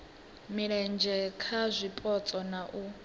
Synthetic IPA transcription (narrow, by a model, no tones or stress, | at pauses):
miɺɛnd͡ʒʱɛkʰazʷipʼɔt͡sʼɔnaʔu